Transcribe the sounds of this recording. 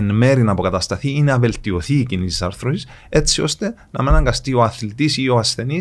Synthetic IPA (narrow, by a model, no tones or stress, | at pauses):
enme̞ɾinɐpo̞kɐt̪ɐst̪ɐθiineɐve̞lt̪io̞θiːcinisisɐɾθɾosis | e̞t͡sːio̞st̪e̞ | nɐmenɐŋɡɐst̪io̞ɐθlit̪isio̞ɐsθe̞ni